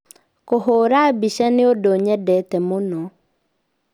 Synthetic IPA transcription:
koɦoːɾabiʃaneodoɲɛdɛtɛmonɔ

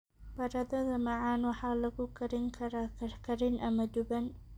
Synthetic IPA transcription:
b̥ɐɾɐd̪ɐðɐmɐʕanwɑħaːlɐɡʊkʰɐɾɪŋkʰɐɾkʰɐɾɪnʔɐmɐd̪ʊbɐn

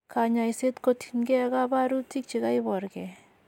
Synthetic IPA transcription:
kaɲaiset̪kot̪ʰinɡeɡabaɾutʰik̚t͡ʃiɣaibɔɾɡe

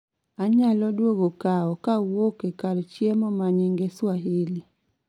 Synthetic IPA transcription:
aɲalɔdwoɡokaɔkawokekadt͡ʃjemɔmaɲɪŋɡeswaɦɪli

